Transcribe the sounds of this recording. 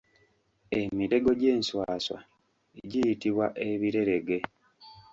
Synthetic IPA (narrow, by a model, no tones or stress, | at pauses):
e̞miɾe̞ɡo̞ɟeːnswaːswa̰ | eɟijitiβwaʔe̞βiɾe̞ɾe̞ɡe̞